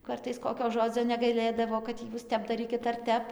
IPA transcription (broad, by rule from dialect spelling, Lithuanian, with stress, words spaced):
ˈkɐrtɐɪs ˈkoːkʲoː ˈʒoːd͡zʲoː nʲɛɡɐɪˈlʲeːdɐʋoː kɐt ˈjuːs ˈtʲɛp dɐˈrʲiːkʲɪt ɐr ˈtʲɛp